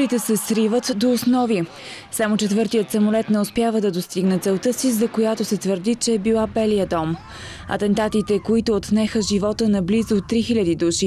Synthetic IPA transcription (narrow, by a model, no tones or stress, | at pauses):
ɾit̪ɛsɛsɾivət̪d̪oːsnɔvi | samot͡ʃɛt̪vɤɾt̪ijət̪sɐmolɛt̪nɛospjavəd̪ɐd̪ost̪iɡnɛt̪sɛlˠt̪əsizɐkojat̪osɛt̪vəɾd̪it͡ʃɛːbilˠabɛliəd̪ɔm | ɐ̰t̪ɛnt̪at̪it̪ɛkoit̪oːt̪nɛxəʒivɔt̪ənɐblizot̪ːɾixilʲəd̪id̪uʃi